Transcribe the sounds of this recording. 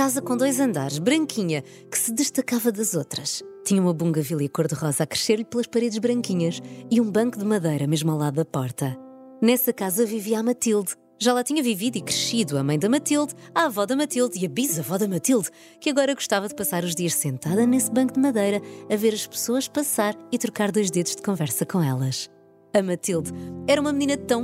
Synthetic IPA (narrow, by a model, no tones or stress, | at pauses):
kazɐkõd̪ojzɐ̃nd̪a̰ɾʃbɾɐ̃ŋkʰiɲɐ | kɨ̥sɨðɨʃt̪ɐkavɐðɐzot̪ɾɐʃt̪iɲɐumɐβũŋɡɐvilˠjɐkoɾðɨʁɔzakɾɨʃeɾʎplˠɐʃpɐɾeðʒβɾɐ̃ŋkiɲɐʃiũbɐ̃ŋkuðɨmɐðɐjɾɐmeʒmalˠaðuðɐpɔɾt̪ɐnɛsɐkazɐviviamɐt̪ilˠd̪ | ʒalˠat̪iɲɐviviðikɾɨʃiðuɐmɐ̃j̃d̪ɐmɐt̪ilˠd̪avɔðɐmɐt̪ilˠd̪iɐβizɐvɔðɐmɐt̪ilˠd̪ | kɐɣɔɾɐɣu̥ʃt̪avɐðpɐsaɾuʒðiɐʃsẽnt̪aðɐnesbɐ̃ŋkud̪mɐðɐjɾɐːveɾɐʃpɨ̥soɐʃpɐsaɾit̪ɾukaɾðojʒdeðuʒ̥d̪ɨkõvɛɾsɐkõɛ̰lˠɐʃ | ɐmɐt̪ilˠd̪ɛɾɐumɐmninɐt̪ɐ̃w̃